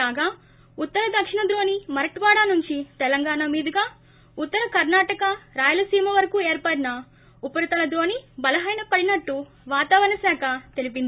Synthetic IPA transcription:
kaːɡaː | ut̪ːɐɾɐd̪ɐkʂiɳɐd̪ɾo̞ːnimɐɾɐʈʋaːɽaːnuɲt͡ʃit̪ɛlɐŋɡaːnaːmiːd̪ɐɡaː | ut̪ːɐɾɐkɐɾnaːʈɐkɐɾaːjɐlɐsiːmɐʋɐɾɐkuːeːɾpaːʈinɐ | upɐɾɐt̪ɐlɐd̪ɾo̞ːnibɐlɐɦɐjnɐpɐɽinɐʈːu | ʋaːt̪aːʋɐɾɐnɐsaːkʰɐt̪e̞lip̬ind̪i

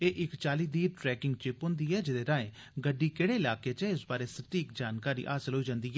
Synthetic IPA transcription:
eːʔɪkt͡ʃaːliːd̪iːʈɾɛːkɪ̃ŋɡt͡ʃɪpɦʊ̃ːnd̪iːɛːd͡ʒɪd̪eːɾãːẽː | ɡəɖːiːkeːɽeːɪlaːkeːt͡ʃɛːɪsbaːɾeːsəʈiːkd͡ʒaːnkaːɾḭːʔa̰ːsəlɦoːiːd͡ʒãːnd̪iːɦɛː

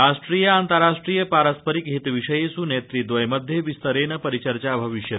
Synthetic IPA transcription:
aʂʈɾijəant̪əɾaʂʈɾijəpaɾəspəɾikɦit̪ʋiʂəjesunet̪ɾid̪ʋəjmɐd̪ʱjeʋist̪əɾenəpɐɾit͡ʃəɾt͡ʃabʱɐʋiʃjə

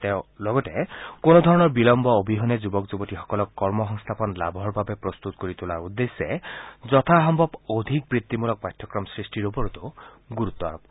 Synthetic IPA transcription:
tẽlɔɡɔtɛkonɔd̪ʱɔɹɔnɔɹbilɔmbɔobʱiɦɔnɛzubɔkzubɔtixɔ̥kɔlɔkːɔɹmɔxɔŋst̪ʰapɔnla̰bʱɔɹbabɛpɹɔst̪ut̪koɹit̪ulaɹud̪ːesːɛzɔt̪ʰaɦɔmbʱɔbod̪ʱik̚bɹit̪ːimulɔk̚pajt̪ʰːɔkɹɔmsɹisʈiɹopɔɹut̪uɡuɾut̪ːɔa̰ɹɔp̚

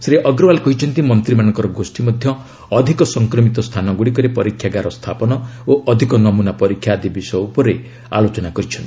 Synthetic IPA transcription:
sɾeʔɔɡɾɔbalkɔɦit͡ʃʰɔnt̪imɔnt̪ɾimanɔ̃ŋkɔɾɔɡosʈimɔd̪ʱjɔː | d̪ʱikɔsɔŋkɾɔmit̪ɔst̪ʰanɔɡuɽikɔɾepɔɾikʰjaɡaɾɔst̪ʰapɔnɔoʔɔd̪ʱikɔnɔmunapɔɾikʰːjad̪ibisjupɔɾe | a̰lot͡ʃɔnakɔɾit͡ʃʰɔnt̪i̥

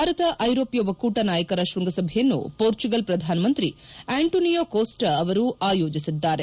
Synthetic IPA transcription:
aːɾɐt̪ɐʔɐjɾoːpjɔʋɐkuːʈɐnaːjɐkɐɾaʃʋɐŋɡɐsɐbʱɛjɐnːṵpoːɾt͡ʃuɡɐlpɾɐd̪ʱaːnɐmɐnt̪ɾieːɳʈoːnijoːkoːsʈɐʋɐɾuʔaːjoːd͡ʒisid̪ːaːɾe

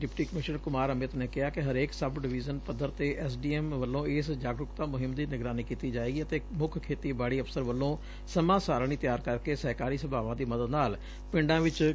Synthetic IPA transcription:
ɖɪpʈiːkəmɪʃnəɾkʊmaːɾəmɪt̪neːkɪɦaːkɪɦəɾeːksəbɖɪʋiːzənpəd̪ːəɾt̪eːʔɛːs̬ɖiːɛːmʋəlːõːɪsd͡ʒaːɡɾʊkt̪ãːmʊɦɪmd̪iːnɪɡɾaːniːkiːt̪iːd͡ʒaːeːɡiːət̪eːmʊkʰkʰeːt̪iːbaːɽiːəfsəɾʋəlːõː | səmãːsaːɾañiːt̪jaːɾkəɾkeːsəɦkaːɾiːsəbʱaːʋãːd̪iːməd̪əd̪naːl | pɪ̃ɳɖãːʋɪt͡ʃ

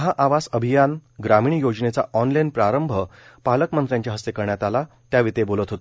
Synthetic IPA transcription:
ɦaʔaʋasəbʱijanɡɾamiɳ̃ijod͡znet͡sa̰ɔnlajnpɾaɾəmbʱə | paləkmə̃nt̪ɾjaɲt͡ɕjaɦəst̪ekəɾɳjat̪ala | t̪jaʋit̪ebolət̪ɦot̪

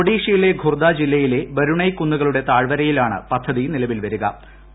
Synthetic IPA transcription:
oɽiːʂɐjile̞ɡʱurd̪ad͡ʑilːɐjile̞bɐɾuɳɐjkːunːuɣɐɭuɽe̞t̪aːɻʋɐɾɐjilaːɳɨ̰pɐd̪ʱːɐðinilɐʋilʋɐɾuɣɐ

